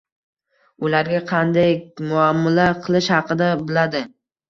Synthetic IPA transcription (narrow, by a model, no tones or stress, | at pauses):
ʊlaɾɡʲaqʰɑnd̪ajmʊamːalaqʰɨlˠɪʃhɑqɨd̪abɪlad̪ɪ